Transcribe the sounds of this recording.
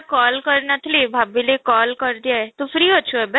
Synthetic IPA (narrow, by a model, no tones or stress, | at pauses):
kɔːlkɐɾnɐt̪ʰlibʱaːbilekɔːlkɐɾd̪ijaɛt̪ofɾiːɦoːt͡ʃʰuɛbɛ